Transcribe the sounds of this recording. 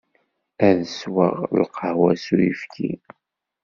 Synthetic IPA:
æðəswə̰ʁlqʰəʕwæsujifkʰi

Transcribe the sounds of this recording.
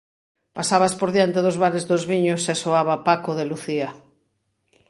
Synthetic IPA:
pasaβaspoɾðjant̪eðʊzβaɾezðozβiɲʊsesoaβapakoðeluθiɐ

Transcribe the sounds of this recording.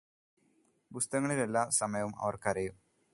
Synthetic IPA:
bust̪ɐŋːɐɭile̞lːaːsɐmɐjɐʋumɐ̰ʋɐrkɐɾɐjum

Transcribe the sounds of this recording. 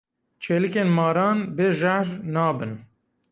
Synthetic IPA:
t͡ʃʰeːlɨkeːnmɑːɾɑːnbeʒahɾnɑːbɨn

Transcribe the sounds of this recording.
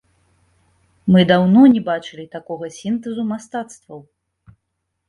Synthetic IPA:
mɨd̪awnɔnʲɛbat͡ʂɨlʲit̪akɔɣɐsʲint̪ɛzumast̪at̪st̪vɐw

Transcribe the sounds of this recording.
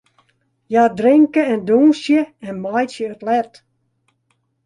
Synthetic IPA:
jadrɪŋkəɛnduːsjəɛnmajsjəətlɛt

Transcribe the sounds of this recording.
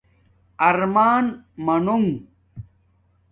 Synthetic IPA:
ɐɾmaːnmɐnoŋ

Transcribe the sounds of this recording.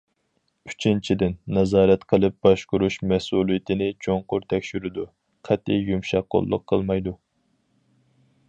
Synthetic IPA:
y̥t͡ʃʰint͡ʃʰid̪ɪnːɛzɑːɾɛt̪qʰəlˠɨp̚b̥ɑʃkʊɾuʃmɛsulˠijɪt̪ʰɪnɪt͡ʃʰoŋqʊɾt̪ʰɛkʲʃyɾɪd̪u | qʰɛt̪ːijjumʃɑqːo̰lˠːʊ̰qʰːəlˠmɑjd̪u

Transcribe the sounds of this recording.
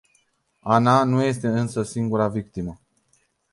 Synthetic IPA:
ananuje̞st̪e̞ɨnsəsiŋɡuɾavikt̪imə

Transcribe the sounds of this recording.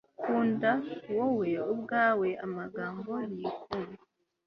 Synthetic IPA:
kʰuːndawowe̞ub̚ɡaːwe̞ʔamaɡaːmboɾikuːna

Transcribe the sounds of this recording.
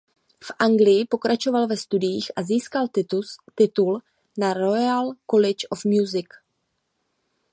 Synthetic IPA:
fʔaŋɡlɪjɪpo̞kɾat͡ʃo̞valvɛst̪udɪjiːxʔaziːskalt̪ɪt̪ul | naɾojalkolɛt͡ʃʔofmjuzɪk

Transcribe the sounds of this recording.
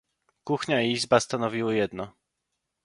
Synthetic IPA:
kuxɲaiizbast̪anɔvʲiwɘjɛd̪nɔ

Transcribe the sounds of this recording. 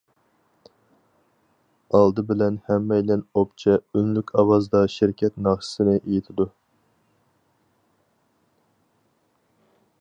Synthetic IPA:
ɑlˠd̪ɨbɪlɛnhɛmːɛjlɛnopt͡ʃʰɛynlykʲɑwɑzd̪ɑʃɪɾkʲʰɛt̪nɑʁʃə̥sɪnɨʔejit̪ʰɪd̪u

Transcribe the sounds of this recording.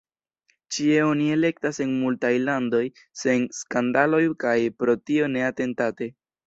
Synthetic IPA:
t͡ʃie̞o̞nie̞le̞k̚tase̞nmultajlando̞j | se̞nskandalo̞jkajpɾo̞tio̞ne̞ate̞ntate̞

